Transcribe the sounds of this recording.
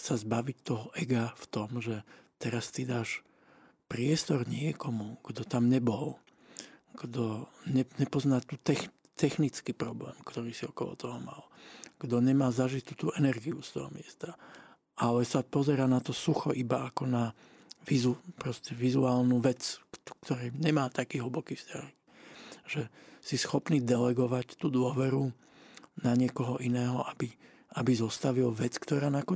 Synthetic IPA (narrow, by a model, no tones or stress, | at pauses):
sazbaʋict̪ɔɦɔʔɛɡaft̪ɔmʒɛt̪ɛɾast̪id̪aːʃ | pɾɪɛst̪ɔɾɲɪɛkɔmuɡ̥d̪ɔt̪amɲɛbɔl | ɡ̥d̪ɔɲɛɲɛpɔznat̪uːt̪ɛx | t̪ɛxnit͡skipɾɔblɛ̰ːmkt̪ɔɾiːsiɔkɔlɔ̰t̪ɔɦɔma̰lɡ̥d̪ɔɲɛmaːzaʒit̪ːut̪uːʔɛnɛɾɡiust̪ɔɦɔmɪɛst̪a | alɛsapɔzɛɾaːnat̪ɔsuxɔ̰ʔibaakɔna | ʋizupɾɔscɛʋizuaːlnuʋɛt͡skt̪ɔɾɛːɲɛmaːt̪akiːɦl̩bɔkiːfscak | ʒ̥ɛsisxɔpniːd̪ɛlɛɡɔʋact̪uːd̪ʊɔʋɛɾu | naɲɪɛkɔɦɔʔinɛːɦɔʔabi | ʔabizɔst̪aʋilʋɛt͡skt̪ɔɾaːnakɔ